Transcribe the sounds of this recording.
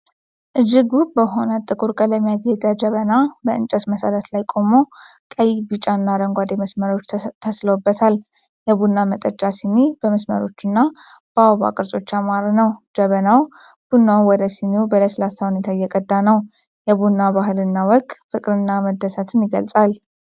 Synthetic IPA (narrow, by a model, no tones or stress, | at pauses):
ʔɨd͡ʒːiɡubəɦo̞nət̪ʼɨkʼuɾkʼələmːijaɡed̪ad͡ʒəβənabəʔɨnt͡ʃʼɛt̪məsəɾət̪lajkʼo̞mo̞ | kʼəjibɨt͡ʃʼanːaɾəŋɡʷad̪eməsməɾo̞t͡ʃːt̪ʰəsləwubːət̪ʰal | jɛbunːamət̪ʼət͡ʃʼːasinibəməsmə̰ɾo̞t͡ʃːɨnːa | b̥əawβa̰kʼɨɾsʼo̞t͡ʃːamaɾnəwd͡ʒəβənaw | b̥unːawwɔd̪əsinebələslasahunet̪ʰajɛkʼəd̪ːanəw | jɛbunːaβaɦɨlɨnːawɔkʼfɨkʼɾɨnːaməd̪ːəsət̪ʰɨnjɪɡə̰lsʼal